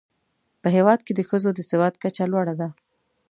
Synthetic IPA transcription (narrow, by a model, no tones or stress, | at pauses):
pəɦewɑd̪ked̪əxəzod̪əsɪwɑt̪̚kat͡ʃalwɑɽad̪a